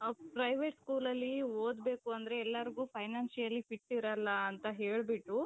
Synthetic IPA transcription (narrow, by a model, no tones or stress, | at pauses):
pɾɐjʋeːʈskuːlɐlːioːd̪be̞ːkuɐnd̪ɐɾe̞ːlːɐɾɡuːpʰɐjnaːnsijɐlːipiʈːiɾɐlːɐːnt̪ɐɦeːɭbiʈːu